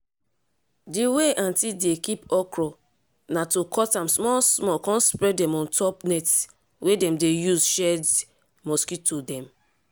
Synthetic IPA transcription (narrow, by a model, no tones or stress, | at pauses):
diweʔãntildekipɔkɹɔ | natokʰɔtãmsmɔsmɔkɔ̃nspɹɛdɛmɔ̃ntʰɔpnɛt | wʔedɛ̃mdejuzʃɛd | mɔskitodɛ̃m